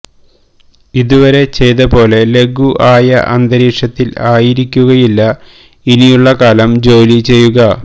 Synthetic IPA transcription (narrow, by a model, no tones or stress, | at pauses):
iðuʋɐɾe̞t͡ɕe̞jt̪ɐpo̞ːle̞le̞ɡuʔaːjɐ̰ʔɐ̰nd̪ɐɾiːʂɐt̪ːilaːjiɾikʲːuɣɐjilːɐ | inijuɭːɐkaːlɐmd͡ʑo̞ːlit͡ɕe̞jːuɣɐ